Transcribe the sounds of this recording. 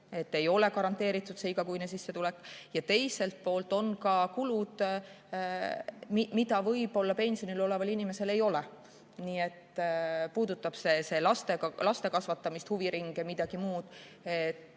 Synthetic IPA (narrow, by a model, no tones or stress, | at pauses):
e̞t̪ːe̞jo̞le̞kɑɾɑnt̪ːˑe̞ːɾit̪ːˑud̪seiɡ̥ɑkujnesisːe̞t̪ulekːˑjɑt̪e̞jse̞lt̪̚po̞ːlt̪ːˑo̞nkɑkulud̪̥ | mimid̪̥ɑvɤ̞jb̥o̞lːɑpe̞nʲsijo̞nilo̞levɑlinime̞se̞le̞jo̞le | niːe̞t̪ːpuːd̪̥ut̪ːˑɑb̥se̞se̞lɑst̪e̞ɑlɑst̪e̞kɑsvɑt̪ːˑɑmist̪huviɾiŋɡ̥emid̪̥ɑɡ̥imuːd̪̥ | et̪ː